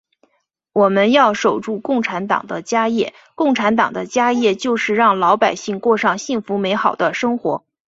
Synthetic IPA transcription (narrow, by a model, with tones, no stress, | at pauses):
wɔ˨˩mə˦njɑ˥˩ʊʂo˨˩ʊʈ͡ʂu˥˧kʊ˥˩ŋʈ͡ʂʰa˧˥nt̪ɑ̰˨˩ŋd̪ə˦t͡ɕja˥jɛ˥˩ | kʊ˥˩ŋʈ͡ʂʰa˧˥nt̪̬ɑ˨˩ŋd̪ə˦t͡ɕja˥jɛ˥˧t͡ɕjo˥˧ʊʂɻ̩˥˧ɻɑ˥˩ŋlɑ˧˥ʊpa˨˩ɪɕi˥˧ŋkwɔ˥˧ʂɑ˥˩ŋɕi˥˩ŋfu˧˥me˧˥ɪxɑ˨˩ʊd̪ə˦ʂɤ˥ŋxwɔ̰˧˥